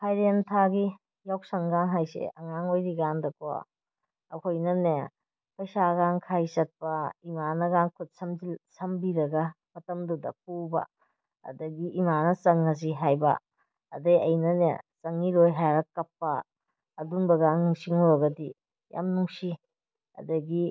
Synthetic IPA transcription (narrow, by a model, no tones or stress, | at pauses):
hʰajɾentʰaɡi | jawsɐŋɡaŋɦajsḛʔɐŋaŋojɾiɡandɐkʰowa̰ | ɐkʰojnɐne | pɐjsaɡaŋkʰajsɐt̚pɐimanɐɡaŋkʰut̚sɐmzilsɐmbiɾɐɡɐ | mɐtɐmdudɐ̰p̚ubɐ̰ | ɐ̰dɐɡiʔimanɐsɐŋɐz̬iɦajbɐ̰ | ɐ̰dɐjɐjnɐnḛsɐŋiɾojɦajɾɐkɐpːɐː | dunbɐɡaŋnuŋsiŋuɾɐɡɐdi | ja̰mnuŋsi | ɐ̰dɐɡi